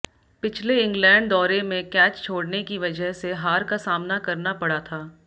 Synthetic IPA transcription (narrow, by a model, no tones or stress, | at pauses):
pɪt͡ʃʰleɪ̃ŋɡlɛ̃ːɳɖd̪ɔːɾemẽkɛːt͡ʃt͡ʃʰoːɽnekiʋɐd͡ʒəɦseɦaːɾkasaːmnakɐɾnapɐɽat̪ʰaː